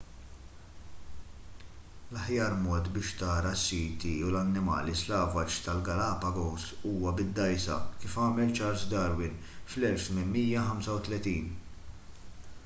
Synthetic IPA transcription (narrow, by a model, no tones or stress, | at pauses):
lɐħjɐːɾmɔːt̪bɪːʃt̪ɐːɾɐsːiːt̪iulɐnːɪmɐ̰ːlislɐːvɐt͡ʃt̪ɐlɡɐlɐːpɐɡɔsuːwɐbɪd̪ːɐjsɐ̰kɪːfɐːmɛlt͡ʃɐɾsd̪ɐɾwɪn | flɛlft̪mɪnmiːjɐħɐmsɐwt̪lɛt̪iːn